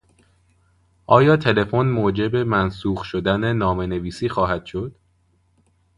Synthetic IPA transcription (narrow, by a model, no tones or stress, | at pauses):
ʔɒːjɒːt̪ʰe̞le̞fonmoːd͡ʒe̞be̞mænsuːɣʃo̞d̪æne̞nɒːme̞ne̞viːsiːxɒːɦæd̪̥ʃo̞d̪̥